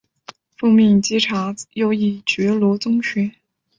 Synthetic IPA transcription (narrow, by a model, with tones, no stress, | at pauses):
fu˥˧mi˥˩nt͡ɕi˥ʈ͡ʂʰa˧˥jo˥ʊi˥˩t͡ɕɥɛ˧˥lwɔ˧˥t͡sʊ˥ŋɕɥɛ˧˥